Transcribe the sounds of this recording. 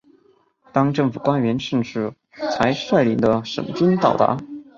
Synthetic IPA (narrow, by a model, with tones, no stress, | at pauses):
t̪ɑ˥ŋʈ͡ʂɤ˥˩ŋfu˨˩kwa˥nɥɛ˧˥nʂə˥˧ʂɻ̩˥˩ | t͡sʰa˧˥ɪʂwa˥˩ɪli˨˩nd̪ə˦ʂə̰˨˩ŋʈ͡ʂwə˥nt̪ɑ̰˨˩ʊt̪a̰˧˥